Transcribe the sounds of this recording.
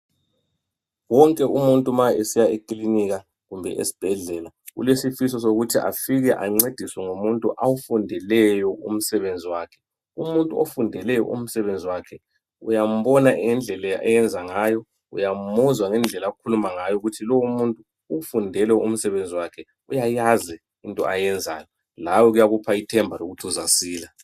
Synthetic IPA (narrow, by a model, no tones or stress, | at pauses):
wɔŋkʼɛumuntʼumaesijaekʼliniɣa | ɣumbʱɛ̰ʔḛsi̥b̥ʱɛɮɛːla | ɣṵlesifisɔsoɣutʰiʔa̰fiɣɛʔa̰ŋ͡ǀed̥ʱiswɛŋumuntʼuʔawufundʱɛlɛjɔum̩sɛβend͡zʱiwaːkʰɛ̥ | umuntʼuofundʱɛlɛjɔ̰ʔṵm̩sɛβend͡zʱiwakʰɛ | ujam̩βɔnaʔɛnd͡ɮʱɛlɛaʔɛjɛnd͡zʱaŋajɔ | ṵjam̩muzwaŋɛnd͡ɮʱɛlaɣukʰulumaŋajɔuɣutʰilowumuntʼu | ufundʱɛlɛum̩sɛβend͡zʱiwakʰɛ | ujajazɛ | intʼɔ̰ʔajɛnd͡zʱa̰ːjɔ | lawɔɣujaɣupʰaitʰɛmbʱaloɣutʰiuzasiːla